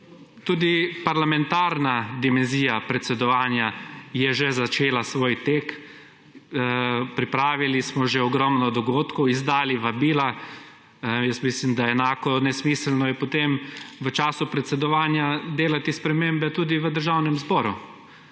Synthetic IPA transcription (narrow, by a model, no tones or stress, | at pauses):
t̪uːd̪ipaɾlamɛnt̪aɾnad̪imɛnziːjapɾɛt̪sɛd̪ɔʋaːnjajɛʒezat͡ʃeːlasʋoːjt̪eːk | pɾipɾaːʋilismɔʒɛɔɡɾɔmnɔd̪ɔɡoːt̪kɔwizd̪aːliʋabiːla | jəst̪mislimd̪aɛnaːkɔnɛsmislnɔjɛpɔt̪emʋət͡ʃaːsupɾɛt̪sɛd̪ɔʋaːnjad̪eːlat̪ispɾɛmembɛt̪uːd̪iʋəd̪əɾʒawnɛmzbɔːɾu